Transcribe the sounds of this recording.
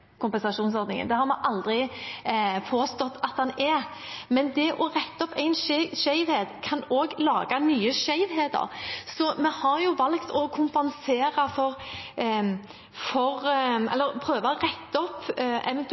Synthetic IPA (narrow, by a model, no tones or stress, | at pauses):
kʰʊmpɛnsɑʂuːns̬ɔɾd̪nɪŋə̰nd̪ɛhɑɾmɛʔɑld̪ʁɪ | pʰoːst̪ɔt̪ːɑt̪̚d̪ɑnɛɾ | mɛnd̪ɛʔɔʁɛt̪ːɔpʰːæɪnʃʃæɪʋheːd̪kʰɑnoːɡlɑ̰ːɡɑnyːəʂæɪʋheːd̪ə̰ɾsɔmɛhɑɾjʊʋɑlkt̪ʰɔkʰʊmpɛnseːɾɑfɔɾ | fɔɾɛ̰lːəɾpʰɾøːʋɑɔʁɛt̪ːɔpːɛ̰ʋɛnt̪